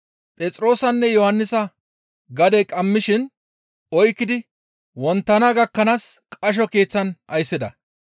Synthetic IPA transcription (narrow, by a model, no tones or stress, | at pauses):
pʼɛt͡sʼɾo̞ːsɐnːɛjɔhɐnːɪsɐ | ɡɐd̪ekʼɐmːɪʃɪn | ɔjkːɪd̪ɪ | wɔnt̪ːɐnaɡɐkːɐnaːskʼɐʃ̬ɔke̞ːt͡sːɐnʔɐjsːɪd̪ɐ̰